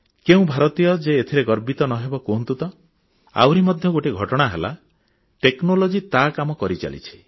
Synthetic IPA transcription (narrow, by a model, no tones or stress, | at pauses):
keũbʱaɾɔt̪ijɔd͡ʒeːt̪ʰiɾeɡɔɾbit̪ɔnɔɦebɔkount̪ut̪ɔ | a̰wɾimɔd̪ʱjɔɡoʈiɡʱɔʈɔɽ̃aɦela̰ | ʈeknolod͡ʒit̪akamɔkɔɾit͡ʃa̰lḭt͡ʃʰi̥